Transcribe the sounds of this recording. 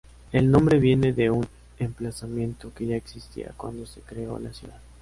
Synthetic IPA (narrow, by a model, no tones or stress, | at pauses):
e̞lnõ̞mbɾe̞βje̞ne̞ðe̞un | emplasamjẽ̞nt̪o̞ke̞ʝaeksist̪ḭa̰kwa̰nd̪o̞se̞kɾeo̞̰lasjuðað